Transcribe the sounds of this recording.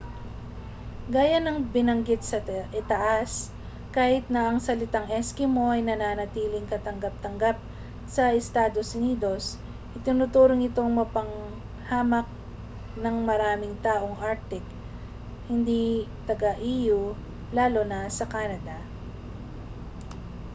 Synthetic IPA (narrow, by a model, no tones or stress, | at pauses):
ɡaːjɐnɐŋbɪnɐŋɡɪt̪̚sɐʔɪt̪ɐʔas | kaːhɪt̪̚nɐʔɐŋsɐlɪt̪aŋʔɛskɪmo̞ɐjnɐnaːnɐt̪iːlɪŋkɐt̪ɐŋɡɐp̚t̪ɐŋɡap̚ | sɐʔɛst̪aːd̪osʊniːd̪o̞s | ʔɪt̪ɪnʊt̪uːɾoŋɪt̪o̞ŋmɐpɐŋ | haːmɐk̚ | nɐŋmɐɾaːmɪŋt̪aːʔo̞ŋʔaɾk̚t̪ɪk̚ | hɪnd̪it̪ɐɡɐʔiːju | laːlonɐsɐkaːnɐd̪ɐ